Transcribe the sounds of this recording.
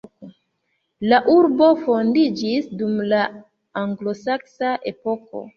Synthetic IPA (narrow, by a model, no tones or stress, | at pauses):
laʔuɾbo̞fo̞ndid͡ʒisdumlaː | ŋɡlo̞saksaʔe̞po̞ko̞̰